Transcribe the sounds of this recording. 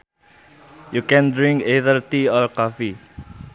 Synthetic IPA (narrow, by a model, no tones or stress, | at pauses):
jukɛ̃ndɹĩŋkeðəlt̪iɔlkɔfi